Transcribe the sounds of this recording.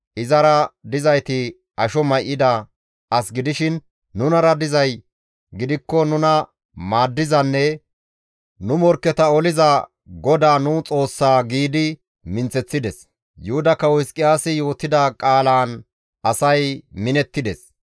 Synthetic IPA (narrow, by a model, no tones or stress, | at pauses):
ʔɪzɐɾɐd̪ɪzɐjt̪ɪ | ʔɐʃɔmɐjʔːɪd̪ɐ | ɐsɡɪd̪ɪʃɪnː | ʊnɐɾɐd̪ɪzɐj | ɡɪd̪ɪkːɔnʊnɐ | maːd̪ːɪzɐnːɛ | nʊmɔɾkːɛt̪ɐɔlɪzɐ | ɡɔd̪aːnuːt͡sʼo̞ːsːaːɡiːd̪ɪ | mɪnt͡sːɛt͡sːɪd̪ɛs | jʊhʊd̪ɐkːɐwɔɪskʼɪjaːsɪjo̞ːt̪ːɪd̪ɐkʼaːlaːn | ʔɐsɐjmɪnɛt̪ːɪd̪ɛs